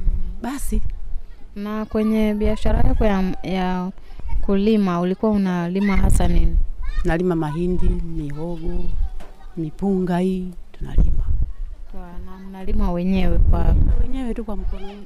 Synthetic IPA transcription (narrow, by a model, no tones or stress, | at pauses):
ɓasi | nakwɛɲɛɓiaʃaɾajakɔjaja | kulimaulikuwaunalimaɦasaninitunalimamaɦindimiɦɔɡɔ | mipuŋɡaituna̰lḭmakwanam̩nalimawɛɲɛwɛkwawɛɲɛwɛtukwam̩kɔnɛ